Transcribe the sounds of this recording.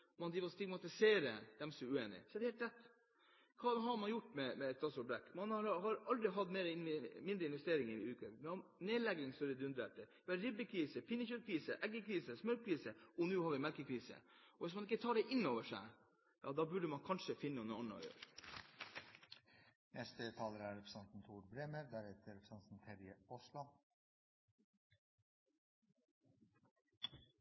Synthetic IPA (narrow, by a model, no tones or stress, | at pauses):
mɑnɾiːʋɔst̪ɪɡmɑt̪ɪseːɾəd̪ɛmsɔmɛʉeːnɪ̰sɔɛd̪ɛhɛlt̪ɾʰɛt̪ː | kʰɑːhɑɾmɑnjʊʈːmɛmɛt̪ʰːɑsɔbɾɛkːmɑnɑɾhɑɾɑld̪ɾɪɦɑd̪meːɾɪnmɪnd̪ɾəɪnʋɛst̪eːɾɪŋɪ̰ʉːkəʋɪɑneːlɛɡɪŋst̪œɾəd̪ʉnd̪ɾeːʈəʋɛɾɪbːəkʰɾiːsəpʰɪnːəçœɾkʰɾiːsəʔɛɡːəkʰɾiːsəsmœlk̚kʰɾiːsəɔnʉːhɑɾʋɪmɛlkəkʰɾiːsə̰ɔʋɪsmɑnɪkːət̪ʰɑːɖɛʔɪnːoːʋəʂæ̰ɪ | jɑ̰ːd̪ɑːbʉɖəmɑnkʰɑnʂəfɪnːəɔnəɑnəɔ̰ɪjø̰ːɾ | nɛst̪ət̪ʰɑːləɾæɾɛpʰɾəsɛnt̪n̩t̪ʰuːɾbɾeːməɾd̪æɾɛt̪ʰəɾɛpɾsɛnt̪n̩t̪ʰɛɾjəɔslɔ